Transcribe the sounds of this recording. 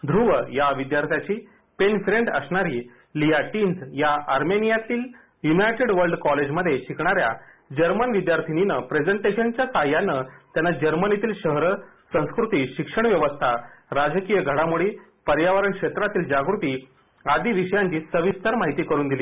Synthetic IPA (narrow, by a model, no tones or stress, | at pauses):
d̪ʱɾuʋəjaʋid̪jaɾt̪ʰjat͡ɕiː | penfɾẽɳɖəsɳaɾiː | liaʈind͡zjaaɾmenijat̪iːl | junajʈeɽʋəɾɖkɔled͡ʑməd̪ʱːjeɕikɳ̃aɾja | d͡ʑəɾmənʋid̪jaɾt̪ʰininəpɾed͡zəɳʈeɕənt͡ɕjasajanːət̪janːad͡ʑəɾmənit̪iːlɕəɦɾəsə̃w̃skɾut̪iːɕikʂəɳʋjəʋəst̪ʰaɾad͡zkijəɡʱəɽamuɽiː | pəɾjaʋəɾəɳkʂet̪ɾat̪iːld͡ʑaɡɾut̪iː | ad̪iʋiɕəjãɲt͡ɕiːsəʋist̪əɾmaɦit̪iːkəɾuːnd̪iliː